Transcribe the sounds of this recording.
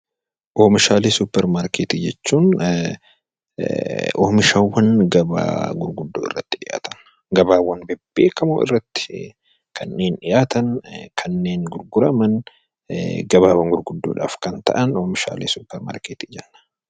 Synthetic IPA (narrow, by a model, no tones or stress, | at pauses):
ʔoːmɪʃaːleːsʊpːɛɾmaːɾkeːt̪iːd͡ʒɛt͡ʃːuːn | ʔo̰ːmɪʃɐwːɐnɡɐba̰ːɡʊɾɡʊd̪ːoːɪ̰rːɐt̪ːɪᶑɪjʔa̰ːt̪ɐn | ɡɐbaːwːɐnbɛbːḛːkɐmo̰ɪ̰rːɐt̪ːɪ̥ | kʰɐnːe̞ːnᶑɪjʔaːt̪ɐnkʰɐnːe̞ːŋɡʊɾɡʊɾɐmɐn | ɡɐbaːwɐŋɡʊɾɡʊd̪ːo̰ːᶑa̰ːfkɐnt̪ɐ̰ʔɐnoːmɪʃa̰ːleːsʊpːɛɾma̰ːɾkeːt̪iːd͡ʒɛnːɐ̥